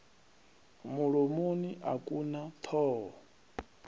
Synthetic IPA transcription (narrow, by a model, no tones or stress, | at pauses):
muɺomoniʔakʼunat̪ʰɔːɔ